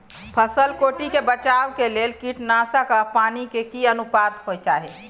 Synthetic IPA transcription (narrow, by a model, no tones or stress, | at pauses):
pʰəsəlkoʈikebət͡ʃawkelelkiʈnasəkəpanikekiənupad̪ɦojt͡ʃaɦɛ